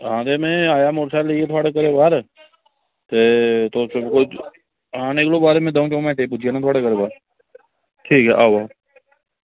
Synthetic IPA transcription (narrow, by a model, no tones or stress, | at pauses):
ɦãːt̪emẽaːjamoɾsaleiet̪ʰwaːɽekəɾebaːɾ | t̪et̪osɪbko | ɦãːneklobaːɾemẽd̪ɐ̃keõmɛ̃ːʈep̬ut͡ʃʰijanãt̪ʰwaːɽekəɾebaːɾ | ʈʰiːkɦɛʔaːʋa